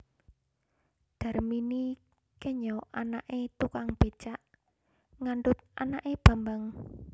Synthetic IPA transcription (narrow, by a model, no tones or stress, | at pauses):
d̪̥a̤rmini | kɛɲɔʔanaʔet̪ukaŋb̥e̤t͡ʃaʔ | ŋaɳɖʊt̪̚a̰naʔeb̥a̤mbaŋ